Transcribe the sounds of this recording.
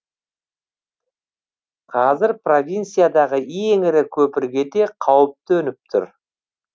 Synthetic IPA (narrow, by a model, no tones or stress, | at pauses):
qʰɑzɪɾpro̞vʲijnsijad̪ɑʁəijeŋɪɾɪkʲʰɵpɪɾɡʲe̞d̪e̞qʰɑwəp̚t̪ɵnɪp̚t̪ʰʊ̰ɾ